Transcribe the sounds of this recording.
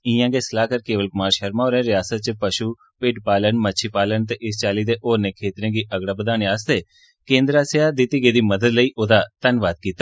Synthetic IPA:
ɪ̃ãːɡeːsəlaːkəɾkeːʋəlkʊmaːɾʃəɾmãːoːɾɛ̃ːɾɪjaːsət̪̚t͡ʃəpəʃu | pɪɖpaːlənmət͡ʃʰiːpaːlənt̪eʔɪst͡ʃaːliːd̪eʔoːɾnẽːkʰeːt̪ɾẽːɡiːʔəɡɽaːbəd̪aːniaːst̪eː | kẽːnd̪ɾaːseaːd̪iːt̪iːɡeːd̪iːməd̪əd̪ləiːʔoːd̪aːt̪ənʋaːd̪̚kiːt̪aː

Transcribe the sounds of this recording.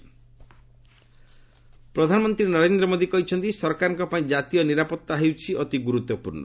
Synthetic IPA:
pɾɔd̪ʱanɔmɔnt̪ɾinɔɾend̪ɾɔmod̪ikɔɦit͡ʃʰɔnt̪isɔɾkaɾɔŋkɔpaĩd͡ʒat̪ijɔniɾapɔt̪ːaɦewt͡ʃʰiʔɔt̪iɡuɾut̪ːɔpṵɾnɔ̰

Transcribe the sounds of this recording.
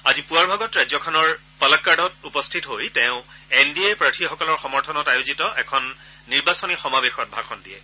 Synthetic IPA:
azipuaɹbʱaɡɔtɹazɔkʰɔnɔɹ | palakːaɹdɔtupɔstʰitɦojtɛʊ̃endiepɹatʰixɔkɔlɔɹxɔmɔɹtʰɔnɔtajʊzitɔʔɛkʰɔnː | iɹbasɔnixɔmabexɔt̚bʱakʰɔndiɛ

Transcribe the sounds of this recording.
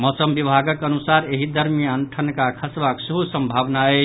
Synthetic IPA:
mɔsəmbibʱaɡəkənusaɾeɦid̪ʱəɾmijaənʈʰənkakʰəsbaksuɦusəmbʱabnae

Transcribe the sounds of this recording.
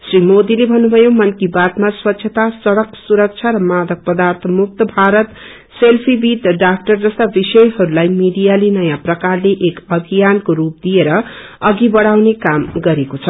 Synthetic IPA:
srimod̪ilebʱʌnːubʱʌjomʌnkibat̪maswʌtːsʰʌt̪asʌɽʌksuɾʌk̚t͡sʰjaɾʌmad̪ʌk̚pʌd̪art̪ʰʌmuk̚t̪ʌbʱaɾʌt̪ | selpʰibit̪ɖak̚ʈʌrd͡zʌst̪abisʌjɦʌɾulajmiɖijalinʌjãprʌkarleʔekʌbʱijankoɾup̚d̪ijeɾʌ | ʌɡibʌɽawnekamɡʌɾekot͡sʰʌ

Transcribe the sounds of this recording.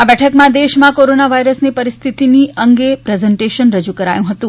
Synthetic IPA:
abɛʈʰəkmãd̪eʃmãkoɾonaʋaiɾəsnipəɾist̪ʰit̪iniʔəŋɡepɾezɛɳʈeʃənɾəd͡ʒukəɾa̰jũɦət̪ũ

